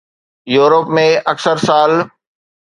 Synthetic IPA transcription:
juːɾəpmẽɐksəɾsaːl

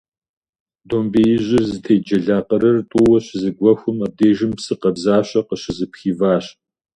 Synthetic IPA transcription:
doːmbeːjɪʑʷɪzɨtʰeːjd͡ʒɐɮaːqəɾɐrtʼʊwɐɕɪzɨɡʷɔxʷʊmɐb̚deːʒɪmpsɨqɐbzaːɕʼɐqəɕɪzɨpxiːvaːɕ

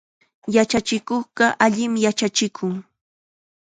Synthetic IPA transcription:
jat͡ʃat͡ʃɪkoχɢɑʔaʎɪmjat͡ʃat͡ʃɪkʰʊŋ

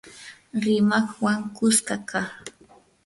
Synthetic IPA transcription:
ɾɪmaχwaŋkʊskakaχ

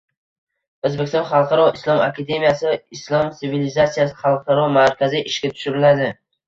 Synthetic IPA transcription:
ɵzbekʲʰst̪ɒnχɑlˠqʰɑɾɒɪslˠɒmakʰʲad̪e̞mijasɪaɪslˠɒmɪvilizasijasɪ̥χɑlˠqʰɑɾɒmaɾkʲazɪʔɪʃkʲat̪ʰʊ̥ʃʊɾɪlad̪ɪ

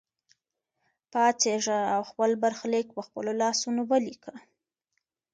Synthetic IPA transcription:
pɑt͡seʐaawxpəlbaɾxlek̚pəxpə̰lolɑsunowəlikə

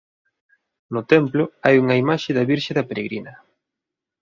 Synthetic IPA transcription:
nʊt̪ɛmplʊajuŋɐimaʃɪðɐβiɾʃɪðɐpeɾeɣɾinɐ

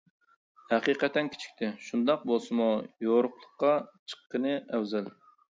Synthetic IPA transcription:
hæqiːqɛt̪ʰːɛnkʲʰi̥t͡ʃʰi̥kʲt̪ʰɪʃund̪ɑq̚bolˠsɨmujoɾʊqlˠəqːɑt͡ʃʰə̥qːənɨæwzæl

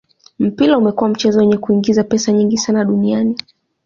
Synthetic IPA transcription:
m̩pilaumɛkuwam̩t͡ʃɛzɔjɛɲɛkuiŋɡizapɛsaɲiŋɡisanaɗuniani

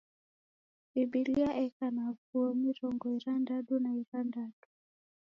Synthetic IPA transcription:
iɓiliaʔɛkanavuɔmiɾɔŋɡɔiɾandaɗunaiɾandaɗu

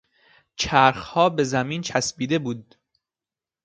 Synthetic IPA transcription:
t͡ʃʰæːɾxhɒːbe̞zæmiːnt͡ʃʰæsbiːd̪e̞buːd̪

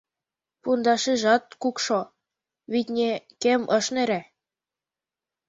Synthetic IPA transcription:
pund̪ɑʃiʒɑt̪̚kukʃo | βit̪ʲnʲekemɤ̆ʃneɾæ

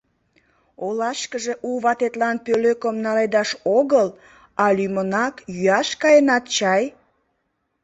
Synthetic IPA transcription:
olɑʃkəʒe̽ʔuβɑt̪et̪lɑnpøløkəmnɑled̪ɑʃoɣəl | ɑlymənɑkjyɑʃkɑjenɑt̪t͡ɕɑj

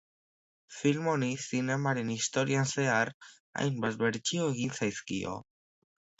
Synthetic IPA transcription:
filmonisine̞maɾe̞nist̪o̞ɾianse̞ar | a̰jmbazβe̞ɾt͡ʃioeɣ̞insajskḭo̞̰

